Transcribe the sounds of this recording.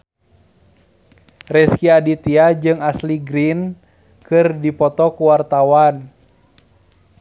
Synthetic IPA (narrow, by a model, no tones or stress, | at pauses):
rɛskiadit̪iad͡ʒɨŋasliɡɾin | kɨrdipɔt̪ɔkuwart̪awan